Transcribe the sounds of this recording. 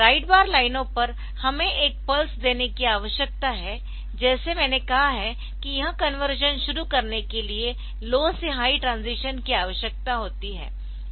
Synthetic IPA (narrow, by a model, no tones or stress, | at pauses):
ɾaːɪɖbaːɾlaːɪnõpɐɾ | hɐmẽʔeːk̚pɐlsd̪eːnekiaːʋəʃjək̚t̪aɦɛ | d͡ʒɛːsemɛ̃ːnekɐɦaɦɛ | kijɐɦãkɐnʋəɾʒənʃʊɾukɐɾnekelie | loːseɦaːiʈɾãːnziːʃənkiaːʋəʃjək̚t̪aɦoːt̪iɦɛ̰ː